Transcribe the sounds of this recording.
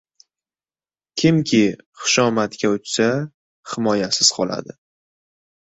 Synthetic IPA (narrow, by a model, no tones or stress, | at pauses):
kʲʰɪmkʲʰɪχɨ̥ʃɒmat̪kʲaʊt͡ʃsa | hɪmɒjasɪz̥qʰɒlˠa̰d̪ɪ